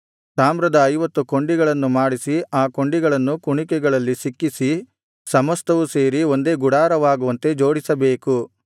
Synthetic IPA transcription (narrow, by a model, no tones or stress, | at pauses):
saːmɾɐd̪ɐːjʋɐt̪ːuko̞ɳɖiɡɐɭɐnːumaːɽisiaːko̞ɳɖiɡɐɭɐnːukuɳikɛɡɐɭɐlːisikːisi | sɐmɐst̪ɐʋuse̞ːɾio̞nd̪e̞ːɡuɽaːɾɐʋaːɡuʋɐnt̪e̞d͡ʒo̞ːɽisɐbe̞ːku